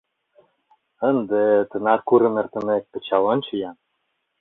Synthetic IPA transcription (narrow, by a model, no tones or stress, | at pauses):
ə̆nd̪ĕt̪ɤ̆nɑt̪̚kuɾɤ̆nə̆rt̪ɤ̆nek̚p̪ɘ̆t͡ɕɑlɤnt͡ɕɤ̆jɑn